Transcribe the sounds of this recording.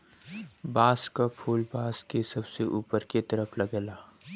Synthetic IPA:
baːskapʰuːlbaːskesɐbseʔuːpəɾket̪ɐɾəfʰlɐɡɛːlaː

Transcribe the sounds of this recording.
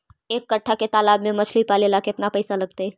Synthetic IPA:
eːkːɐʈʰːaket̪aːlaːbmẽmɐt͡ʃʰlipaːlilaːkeɪt̪napɐɪsalɐɡ̚t̪eɛ

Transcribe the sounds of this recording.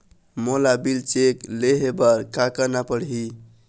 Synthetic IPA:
molabilt͡ʃekleɦebəɾkakənapəɽɦi

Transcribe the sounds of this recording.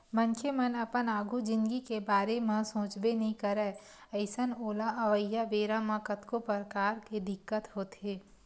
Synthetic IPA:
mə̃nkʰemənɐpənaːɡʱud͡ʒɪ̃nd̪ɡikebaːɾemẽsõːt͡ʃbenɐɦĩkɐɾɛ | əɪsənoːlaʔɐʋəjːaʋeːɾamãkət̪kopəɾəkaːɾked̪ɪkːət̪ɦoːt̪ɦeː

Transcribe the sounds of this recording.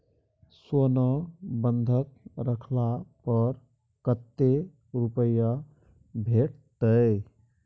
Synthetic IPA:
sonəbənd̪ʱək̚ɾəkʰlapəɾ | kət̪ːe | ɾupəjə | bʱeʈt̪əɪ

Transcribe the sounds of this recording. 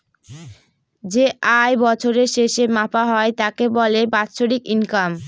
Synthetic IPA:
d͡ʑeajbɔt͡ɕʰoɾeɾʃeʃemapaɦɔet̪akebɔlebat̪ɕʰoɽikinkam

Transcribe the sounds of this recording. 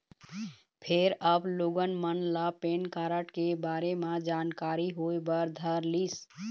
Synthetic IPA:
pʰeɾəbloɡənmənlapenkaɾəʈkebaɾemed͡ʒankaɾiɦoebəɾd̪ʱəɾlis

